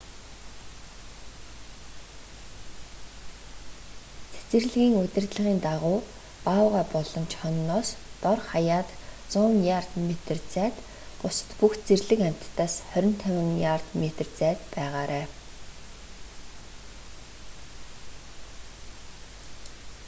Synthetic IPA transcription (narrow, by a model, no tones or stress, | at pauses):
t͡sʰe̥t͡sɘ̆rɮɣiːŋʊt̪ʲɘ̆rt̪ɮə̆ʁiːnt̪aʁʊː | paːʊʁæːpɔɮɞ̆mt͡ɕʰχɔnːɔːst̪ɔrχajaːt̪t͡sʊːŋjart̪met̪ə̆rt͡sæːt̪ | pʊsə̥̆t̪puxt͡serɮɘ̆kæm̥ʲt̪ːaːsχœɾʲɪ̆n̥t̪ʰœwɪ̆ŋjart̪met̪̆rt͡sæːt̪pæːʁaːɾʔæː